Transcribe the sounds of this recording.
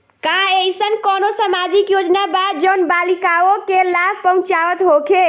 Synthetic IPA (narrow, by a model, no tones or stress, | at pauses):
kaejsənkɔnosamad͡ʒikjod͡ʒnabad͡ʒənbalikaokelab̚ʱpəɦũt͡ʃaʋət̪ɦokʰe